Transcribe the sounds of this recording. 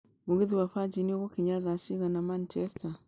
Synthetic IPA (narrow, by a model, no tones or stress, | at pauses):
muɣeðiwaɸad͡ʒinioɣokiɲaðaʃiɣanamant͡ʃɛsta